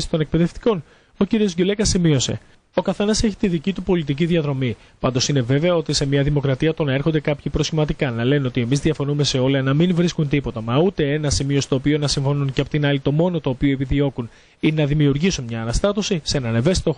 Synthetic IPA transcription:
st̪o̞ne̞k̚pe̞ðe̞ft̪i̥ko̞n | o̞ciɾio̞zʝule̞kɐsimio̞se̞̰ | o̞kɐθe̞nɐse̞çi̥t̪iðicit̪upo̞lit̪ic̬iðiɐðɾo̞mi | pɐnd̪o̞sine̞ve̞ve̞ɐo̞t̪ise̞miɐðimokɾɐt̪iɐt̪o̞nɐe̞ɾxo̞nd̪e̞kɐpçipɾo̞sçimɐt̪ikɐnɐle̞no̞t̪ie̞mizðiɐfo̞nume̞se̞o̞lɐnɐminvɾiskunt̪ipo̞t̪ɐmɐut̪e̞enɐsimiost̪o̞ːpio̞nɐsiɱfo̞nunceɐpot̪inɐlit̪o̞mo̞not̪oːpioepiðio̞kun | inenɐðimiuɾʝisunmɲɐːnɐst̪ɐt̪o̞sisenɐneve̞si̥t̪o

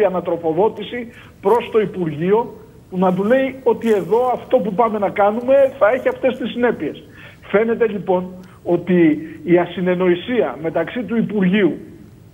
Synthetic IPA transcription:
iɐnɐt̪ɾo̞fo̞ðo̞t̪isi | pɾo̞st̪o̞ipuɾʝio̞ | punɐd̪̬ule̞io̞t̪ie̞ðo̞ɐft̪o̞pupɐme̞nɐkɐnume̞θɐe̞çiɐft̪e̞st̪isːine̞pie̞s | fe̞ne̞t̪e̞ʎipo̞n | o̞t̪iːɐsine̞no̞isiɐme̞t̪ɐksit̪uipuɾʝiu

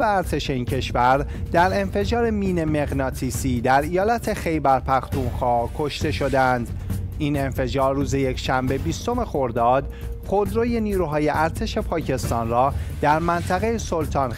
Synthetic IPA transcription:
eæɾt̪ʰe̞ʃe̞iːncʰe̞ʃvæɾ | d̪̥æɾe̞nfe̞d͡ʒɒːɾe̞miːne̞me̞ɣnɒːt̪ʰisiːd̪æɾijɒːlæt̪ʰe̞xe̞jbæɾpʰæxt̪umxɒːkʰo̞ʃt̪e̞ʃo̞d̪ænd̪ine̞nfe̞d͡ʒɒːɾːuːze̞je̞cʰʃæmbe̞bist̪o̞me̞xo̞ɾd̪ɒːd̪ | χod̪ɾoːje̞niːɾuːɦɒːje̞ʔæɾt̪ʰe̞ʃe̞pʰɒːcʰe̞st̪ɒːnrɒːd̪̥æɾmænt̪ʰæɣe̞jesolt̪ʰɒːn

